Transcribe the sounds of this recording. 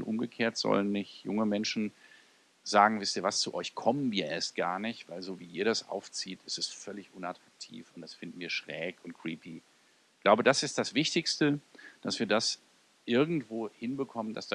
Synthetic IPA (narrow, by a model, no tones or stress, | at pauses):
tʔʊ̰mɡəkʰeːɐtz̥ɔ̰lənːɪçjʊ̰ŋəmɛnʃn̩ | zaːɡŋ̩vɪstiːɐvast͡suʔɔʏçkʰɔmənviːɐʔeːɐst̚ɡ̥aːɐnɪçtv̥aɪlzoːviːʔiːɐɾasʔa̰ʊft͡siːtʰɪstɛsfœlɪçʔʊnatʁ̥ak̚tʰḭːfʊntd̥asfɪndn̩viːɐʃʁ̥ɛːkʊntkʁ̥iːpi | ɪɡlaʊbədasɪst̚d̥asv̥ɪçtɪçstəd̥asv̥iːɐdas | ʔɪɐɡŋ̩tv̥oːhɪnbəkʰɔmənda̰sd̥a